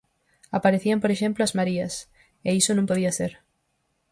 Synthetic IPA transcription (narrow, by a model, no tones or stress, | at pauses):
apaɾeθiɐmpoɾeʃẽmplʊazmaɾiɐs | eisʊnũmpoðiɐseɾ